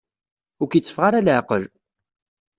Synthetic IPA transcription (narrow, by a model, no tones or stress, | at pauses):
ʊɾkjət͡sːə̥fʁaɾalʕqəl